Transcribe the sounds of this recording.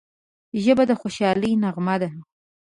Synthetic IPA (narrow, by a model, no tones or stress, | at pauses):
ʒəbad̪əxoʃɑləjnaɣmad̪a